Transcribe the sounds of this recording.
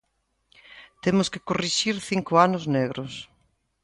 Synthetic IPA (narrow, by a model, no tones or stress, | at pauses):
t̪emʊskɪkoriʃiɾθiŋkʊanʊzneɣɾʊs